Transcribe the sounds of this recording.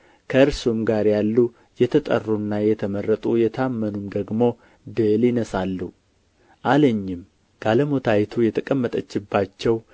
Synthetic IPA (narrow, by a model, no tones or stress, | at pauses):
kʰəɨɾsumɡaɾjalːu | jɛt̪ʰət̪ʼə̰rːunːajɛt̪ʰəmərːət̪ʼujɛt̪ʰamːənumd̪əɡmo̞ | d̪əlɪnəsalːu | ʔaləɲːɪm | ɡ̥aləmot̪ʰajt̪ʰujɛt̪ʰəkʼəmːət̪ʼət͡ʃːɪbːat͡ʃːɛw